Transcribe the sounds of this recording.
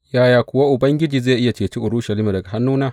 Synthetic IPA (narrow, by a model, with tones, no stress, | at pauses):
jaː˦jaː˨kʷʊ˨wa˦ʔʊ˨bɐ˦ŋɡʲɪ˦d͡ʒiː˨zeː˦˨ʔɪ˦ja˨t͡ʃeː˨t͡ʃi˦ʔʊ˨ɾuː˦ʃɐ˨liː˦ma˨dɐ˨ɡa˨a˦nːuː˦naː˦